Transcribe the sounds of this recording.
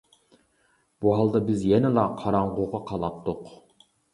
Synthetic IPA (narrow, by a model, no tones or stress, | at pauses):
b̥uɦɑlˠd̪ɑbɪzjɛnɪlˠɑqʰɑɾɑɴʁoʁɑqʰɑlˠɑt̪ʰːʊq